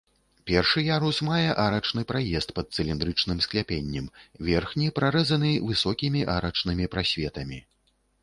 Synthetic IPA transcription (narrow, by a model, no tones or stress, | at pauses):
pʲɛrʂɨjaɾusmajɛʔaɾɐt͡ʂnɨpɾajɛst̪̚pɐt̪̚sɨlʲind̪ɾɨt͡ʂnɨmsklʲapʲenʲːɛmvʲɛrxnʲipɾaɾɛzɐnɨvɨsɔkʲimʲiʔaɾɐt͡ʂnɨmʲipɾasʲvʲɛt̪ɐmʲi